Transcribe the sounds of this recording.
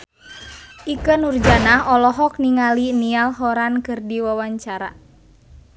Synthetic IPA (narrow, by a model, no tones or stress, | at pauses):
ʔikənurd͡ʒanaɦɔlɔɦɔk̚niŋalinialɦɔɾankɨrdiwawaɲt͡ʃaɾa̰